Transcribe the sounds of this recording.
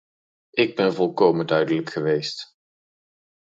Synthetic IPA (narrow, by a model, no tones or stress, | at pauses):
ʔɪɡ̚bɛnvɔlˠkowməndœɥdələkχəʋejst